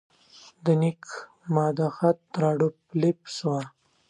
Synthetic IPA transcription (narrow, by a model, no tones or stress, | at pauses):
d̪ənik | mɑd̪axat̪̚ːɾɑɖuplipswa